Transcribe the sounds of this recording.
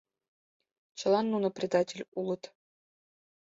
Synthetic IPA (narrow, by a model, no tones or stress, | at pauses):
t͡ɕɤ̆lˠɑnːunɤ̆prʲɪd̪ɑtʲelʲulˠɤ̆t̪